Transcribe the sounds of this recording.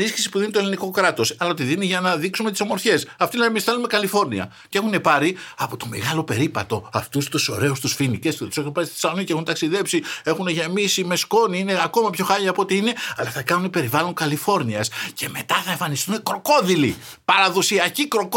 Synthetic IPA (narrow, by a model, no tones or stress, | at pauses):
isçi̥sipuðinit̪oeliniko̞kɾɐt̪o̞sɐlɐot̪iðiniʝɐnɐðiksume̞t̪i̥somo̞ɾçe̞sɐft̪oineemisθelume̞kɐlifo̞ɾniɐ̰ | cee̞xune̞pɐɾiɐpo̞t̪o̞me̞̰ɣɐlo̞pe̞ɾipɐt̪o̞ɐft̪ust̪uso̞̰ɾe̞ust̪usfinicestet̪u̥se̞xunpɐɾist̪i̥θisɐlonicee̞xunt̪ɐksiðe̞psie̞xuneʝemisime̞sko̞niine̞ɐko̞mɐpço̞xɐʎɐːpot̪iine̞ɐlɐθɐkɐnunipe̞ɾivɐloŋkɐlifo̞ɾniɐsce̞me̞t̪ɐθɐeɱfɐnist̪une̞kɾo̞ko̞ðilḭ | pɐɾɐðo̞siɐcikɾok